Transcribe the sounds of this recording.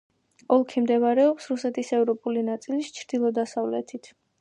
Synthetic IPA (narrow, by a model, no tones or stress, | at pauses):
ɔlˠkʰimd̪ɛvaɾɛɔpsɾusɛt̪ʰisɛvɾɔpʼulinat̪sʼilist͡ʃʰɾd̪ilˠɔd̪asavlɛ̰t̪ʰit̪ʰ